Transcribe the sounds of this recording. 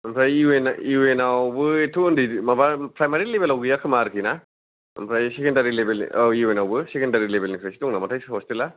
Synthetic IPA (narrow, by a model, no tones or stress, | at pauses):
ɐmpʰɾajienienawbɯetʰundimabapɾajmaɾilebelawɡijakʰɯmaɾkʰina | ɯ̰mpʰɾajsekendaɾilebeliuwenawbɯsekendaɾilebelnipʰɾajsi̥tɔŋnamatʰajshostela